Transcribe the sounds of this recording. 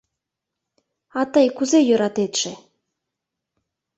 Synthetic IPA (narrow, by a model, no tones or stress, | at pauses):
ɑt̪ɤjkuzejø̆ɾɑt̪et̪ʃe